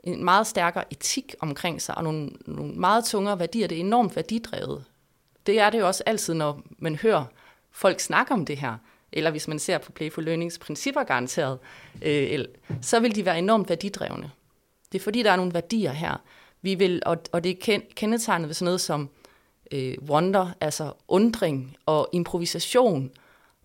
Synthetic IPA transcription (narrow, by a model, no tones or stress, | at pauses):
ʔe̝nmɑ̈ːð̞̩ˠsd̥æɐɡ̥ɐʔe̝t͡sʰiɡ̥ɒ̽mkʰʁeŋ̰sɑ̈ɪʔɒ̽no̝ːnno̝̰ːn̩mɑ̈ːð̞̩ˠt͡sʰɔ̽ŋɐːʋæɐd̥ḭːɐd̥e̝æɐe̝nɒ̰ːmd̥ʋæɐd̥id̥ʁɛ̰ːʊð̞̩ˠ | d̥e̝æɐɾe̝jo̝ɒ̽səʔæl̰t͡sʰið̰ˠnɒmænhøːɐ | fɒ̽l̰ɡ̥snɑ̈ɡ̥ɐɒ̽md̥e̝ɦæɐ̰ | ʔelɐʋe̝smænse̝ɐ̰pʰɒ̽pʰleɪfoløːne̝ŋspʰʁinsib̥ɐɡ̥ɑ̈ʁɑ̈nt͡sʰe̝̰ɐð̞ˠʔøelsɒ̽ʋe̝ld̥iʋæːɐe̝nɒ̰md̥ʋæɐd̥id̥ʁɛ̰ʊnə | d̥e̝fɒ̽d̥ḭːd̥ɑ̈ɐno̝ːn̩ʋæɐd̥ḭːɐɦæɐ̰ | ʋiʋe̝lɒɒ̽d̥e̝kʰekʰenət͡sʰɑ̈ɪnð̩ˠʋe̝sɒ̽nɔːð̞̩ˠsɒ̽m | øwɒnd̥ɐʔælsɐʔɔ̽nd̥ʁeŋɒ̽ʔe̝mpʰʁo̝ʋisæɕo̝̰ːn